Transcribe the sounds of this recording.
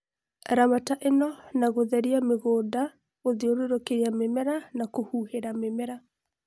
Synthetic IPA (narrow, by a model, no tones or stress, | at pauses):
ɾamataʔenɔnaɣoðɛɾiameɣoːda | oðeoɾoɾokeɾeamemɛɾanakohuheɾamemɛɾa